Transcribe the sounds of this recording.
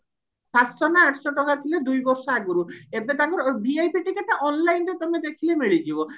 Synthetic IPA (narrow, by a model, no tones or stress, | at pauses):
pastɔnaaʈʰsɔʈɔkat̪ʰiled̪ujbɔɾsɔaɡuɾuebet̪aŋkɔɾbiajpiʈikeʈʔɔnlajnʈet̪ɔmed̪ekʰilemiɭid͡ʒibɔ